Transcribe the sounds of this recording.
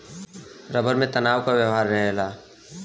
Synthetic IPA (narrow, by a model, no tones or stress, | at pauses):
ɾəbəɾmẽt̪ənaːwkabjəwɦaɾːəɦɦla